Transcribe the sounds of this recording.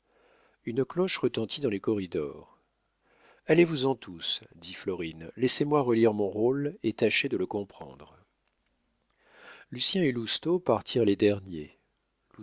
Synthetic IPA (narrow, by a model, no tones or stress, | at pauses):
ynəklɔʃʁət̪ɑ̃t̪ʰid̪ɑ̃lekɔʁid̪ɔ̰ːʁ | alevuzɑ̃t̪ʰusd̪iflɔʁinlɛsemwaʁəliʁmɔ̃ʁolet̪aʃed̪ələkɔ̃pχɑ̰̃d̪ʁ | lysjɛ̃elust̪opaʁt̪ʰiʁled̪ɛʁnje | lu